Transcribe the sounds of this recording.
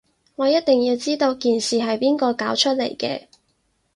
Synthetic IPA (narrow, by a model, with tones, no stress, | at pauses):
ŋɔː˨˧jɐ˥t̚t̪ɪ˨˩ŋjiː˧wt͡siː˥t̪o˧wkiː˨nsiː˨ɦɐ˨jpiː˥nkɔː˧kaː˨˥wt͡ʃʰɵ˥t̚lḛ˨˩jkɛː˧